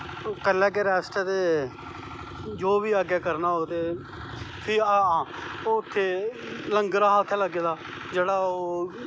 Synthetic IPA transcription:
kəlːɛ̃ːk̬eɾɛːsʈɛːt̪eː | d͡ʒoːʋiːaːɡɛːkəɾnaːoːt̪eː | pʰɪɦãːoːʊt̪ʰːeː | ləŋɡɾaːɦaʊt̪ʰːeːləɡeːd̪aː | d͡ʒeːɽaːoː

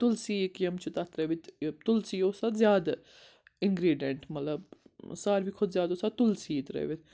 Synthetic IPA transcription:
t̪ʊlsiːkjɐmt͡ʃʰut̪at̪ɾeʋɪt̪ʲt̪ʊlsiːoːsad̪zjaːd̪a | ɪŋɡɾiːɖeɳʈmɐt̪ləbsaːɾbʱikʰʊd̪zʲjaːd̪osat̪ʊlsiːt̪ɾḛʋɪt̪ʲ

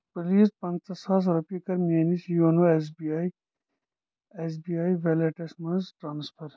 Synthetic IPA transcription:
pɐliːspɐ̃nt̪ɐsaːs̬ɾɐpikɐɾmeːnisjoːnoes̬biaːi | es̬biːaːiʋeleʈesmɐnzʈɾaːnspʰɐɾ

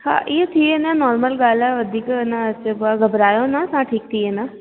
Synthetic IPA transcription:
hã̰ːʔiːet̪ʰiːenãːnɔːɾməlɡaːlɛʋəd̪iːknãət͡ʃəbaɡəbɾaːjõːnãːsãːʈʰiːk̚t̪ʰiːeːnãː

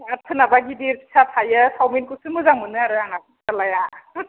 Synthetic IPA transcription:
atʰɯnabaɡidiɾpi̥sʰatʰajɯsawminkusɯmɯzaŋmɯnɯaɾɯaŋak | talaja

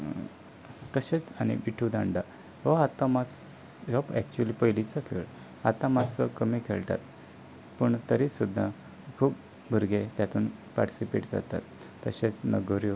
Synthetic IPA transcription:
t̪əɕet͡sañḭʋiʈʰud̪aɳɖa | ʋɔat̪ãmasjɔpɛk̚t͡ɕuəlipəjlit͡səkʰḛɭ | at̪ãmasəkəmikʰeɭt̪a̰t̪ | pəɳt̪əɾisud̪ʱːa | kʰuːp | bʱuɾɡet̪jat̪uːnpaɾʈi̥sipḛʈd͡za̰t̪a̰t̪ː | əɕet͡snəɡəɾjo

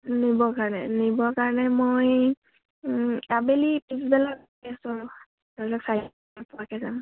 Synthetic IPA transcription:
nibɔkaɹɔnɛnibɔkaɹɔnɛmoj | abelipisbɛlaɡ | kɛsɔɹ | dɔɹlɔksa | pɔɹakɛzam

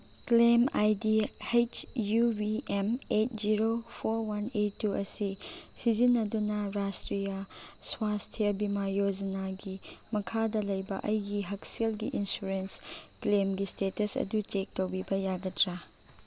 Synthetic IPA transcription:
klemajdihet͡ʃjubiemet̚ʰziɾopʰoɾwaneːuʔɐsisizinːɐdunɐɾastɾijaswastʰijɐbimajod͡ʒɐnaɡimɐkʰadɐlɐjbɐ̰ʔɐjɡiɦɐkselɡiʔinsuɾensklemɡistetɐsɐ̰dut͡ʃek̚towbibɐjaɡɐtɾa

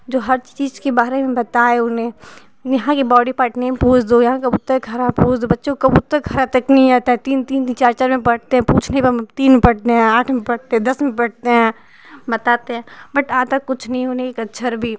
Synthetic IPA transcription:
d͡ʒoːɦɐɾt͡ʃt͡ʃiːzkebaːɾemẽbɐt̪aeʊnẽ | jɐɦãkibɔːɽipaʈnepuːt͡ʃd̪ojɐɦãkɐbut̪ːɐɡʱɐɾapuːt͡ʃd̪obɐtːʃekɐbut̪ːəɡʱɐɾat̪ɐknɐɦĩaːt̪aɦɛ̃t̪iːnt̪iːnit͡ʃaːɾt͡ʃaɾmẽpɐɽt̪eɦɛ̃puːt͡ʃʰneibt̪iːnpɐɽt̪eɦɛ̃aːʈʰmẽpɐɽt̪eɦɛ̃d̪ɐsmẽpɐɽt̪eɦɛ̃ː | bɐt̪aːt̪eɦɛ̃ːbɐʈaːt̪akːʊt͡ʃʰnɐɦĩɦoːneekɐtːʃʰəɾbʱi

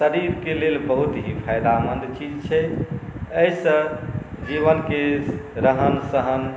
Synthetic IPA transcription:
səɾiɾkelelbəɦut̪ɦĩpʰajd̪amənd̪t͡ʃid͡ʒt͡ʃʰɛ | əjsə̃ | d͡ʒiβənkeɾəɦənsəɦən

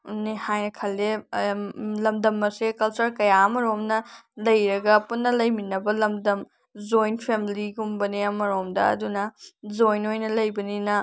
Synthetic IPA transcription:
nehajnɐkʰɐlːe | lɐmdɐmːɐsekɐlt͡ʃɐɾkɐjaɐmɐɾomnɐlɐjɾɐɡɐpunːɐlɐjminɐbɐlɐmdɐm | zojnpʰemiliɡumbɐniɐmɐɾomdɐɐ̰dunɐd͡ʒojnojnɐlɐjbɐninɐ

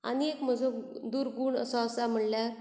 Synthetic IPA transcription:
a̰niekməd͡zʱokd̪uːɾɡuːɳə̰saəsam̤əɽljaɾ

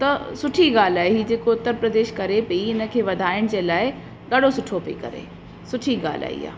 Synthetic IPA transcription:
t̪ɐsʊʈʰiɡaːl̤aːɦeɦid͡ʑeːkoʊt̪ːəɾpɾɐd̪eːʃkɐɾepɐiɪnə̆kʰeːʋɐd̪ʱaːɪɽ̃d͡ʑeːlaːɪ | ɡɐɽ̤osʊʈʰopɐḭkɐ̰ɾḛː | sʊʈʰiɡa̰ːl̤a̰ːḭːa̰ː

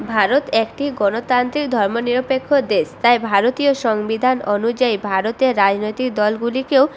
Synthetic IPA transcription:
bʱaɾot̪ekʈiɡɔnot̪ant̪ɾikd̪ʱɔɾmoniɾopekʰːod̪est̪ajbʱaɾot̪ioʃɔŋbid̪ʱanonud͡ʑaibʱaɾot̪eɾɾad͡ʑnojt̪ik̚d̪ɔlɡulikeo

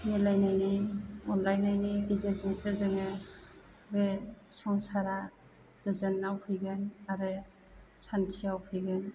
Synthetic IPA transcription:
nilajnajniɔnlajnajniɡizezɯŋsezɯŋe | besɔŋsaɾa | ɡ̥ɯzɯnawkʰɯjɡɯnaɾɯ | santʰiawkʰɯjɡɯn

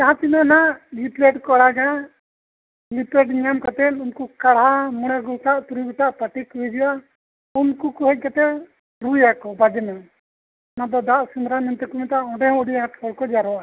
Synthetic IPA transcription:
kaɦãt̪inanaʔliplɛʈkɔɽaɡa | lipɛɖɲamkat̪ɛlunkukaɽɦamɔɽaɡut̪aʔt̪uɾiɡɔt̪aʔpaʈikuɦid͡ʒiwa | unkukɔɦɔc̚kat̪ɛ | ɾujakɔbad͡ʒɛna | nad̪ɔd̪aʔsund̪ɾamɛnt̪ɛkumɛt̪aʔɔ̃ɖɛɦɔ̃uɖiaat̪sʰɔlkɔd͡ʒaɾɔa

